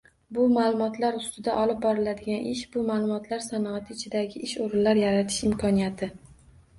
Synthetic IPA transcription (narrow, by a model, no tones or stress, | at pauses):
bʊmalˠʊmɒt̪laɾʊst̪ɪd̪aʔɒlɪp̚bɒɾɪlad̪ɪɡʲanʔɪʃbʊmalˠʊmɒt̪ʰlaɾsanɒat̪ʰɪɪt͡ʃʰɪd̪aɡʲɪʔɪʃoɾɪnlaɾjaɾat̪ʰɪ̥ʃɪmkʰɒnijat̪ʰɪ